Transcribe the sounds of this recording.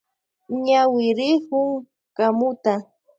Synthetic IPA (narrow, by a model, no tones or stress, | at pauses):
ɲawɪɾɪkʊŋ | kamʊt̪a